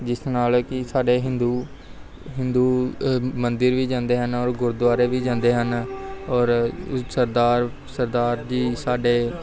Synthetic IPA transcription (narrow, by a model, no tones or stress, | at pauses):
d͡ʒɪsnaːlkɪsaːɖeːɦɪnd̪uː | ɦɪ̃nd̪uːmənd̪əɾʋiːd͡ʒãːnd̪eːɦənɔːɾɡʊɾd̪waːɾeːʋiːd͡ʒãːnd̪eːɦənɔːɾsəɾd̪aːɾ | səɾd̪aːɾd͡ʒiːsaːɖeː